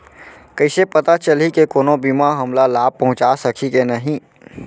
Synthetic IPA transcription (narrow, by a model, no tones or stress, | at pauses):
kəɪsepət̪at͡ʃəlikekoːnobimaɦɐmlalaːb̚pːɐɦʊ̃t͡ʃasəkʰikenəɦĩ